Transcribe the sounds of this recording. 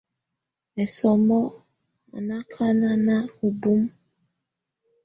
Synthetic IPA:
ɛ˨sɔ˨mɔ˦ | ma̰˨na˦kʰa˦na˦na˦o˨bu˦m

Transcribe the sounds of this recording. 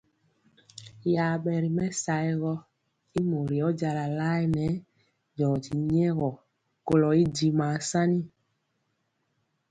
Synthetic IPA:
ja˨ɓɛ˨ɾi˨mɛ˦sa˨i˦ɣɔ˦ | i˦mo˨ɾi˨ɔ˦d͡ʒa˧la˨la˦i˦nɛ˨˦ | d͡ʒɔ˨d͡ʒi˨ɲ˦ɛ˦ɣɔ˨ | ko˨lɔ˨i˦d͡ʒi˨ma˨sa˦ni˦

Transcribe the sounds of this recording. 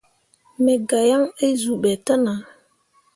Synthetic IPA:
me˨ɡa˨ja˦ŋə˦zu˨ɓɛ˨tə˦na˨

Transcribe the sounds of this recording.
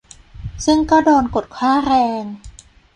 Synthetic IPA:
sɯ˥˩ŋkɔː˥˩doː˧nko˨˩t̪̚kʰwaː˥˩ɾɛː˧ŋ

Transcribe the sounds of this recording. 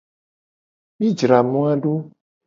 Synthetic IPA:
mi˦d͡ʒɾa˨mũ˦a˦ɖo˦

